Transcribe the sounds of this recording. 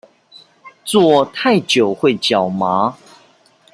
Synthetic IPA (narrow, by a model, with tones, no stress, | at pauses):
t͡swɔ˥˧t̪ʰa˥˨ɪt͡ɕjo˨˩ʊxwe˥˨ɪt͡ɕjɑ˨˩ʊma˨˧˦